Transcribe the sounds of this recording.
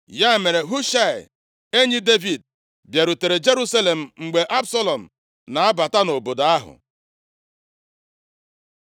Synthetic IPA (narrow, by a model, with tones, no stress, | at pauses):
ja˦˨me˨ɾe˨ɦu˦ʃa˦˨ɪ̰˨ | e˦ɲi˦de˦vi˨d̚ | bje˨ɾu˨te˨ɾe˨d͡ʒe˦ɾu˦sa˦le˨m̩˨ŋ͡m̩˨ɡ͡be˨ʔa˦bsɔ˦lɔ˨m̩˨ | na˨a˦ba˨ta˦no˨bo˨do˨a˦ɦʊ̰˨